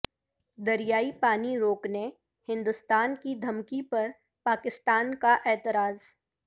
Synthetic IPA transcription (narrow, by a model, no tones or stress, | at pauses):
d̪ɐɾijaːipaːniɾoːkne | hɪ̃nd̪ʊst̪aːnkid̪ʱɐmkipɐɾ | paːkɪst̪aːnkaʔɛːt̪ɪɾaːz